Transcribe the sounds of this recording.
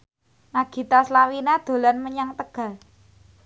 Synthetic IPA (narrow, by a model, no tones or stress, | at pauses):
naɡ̥i̤t̪aslawinad̪̥o̤lanməɲaŋt̪əɡ̥a̤l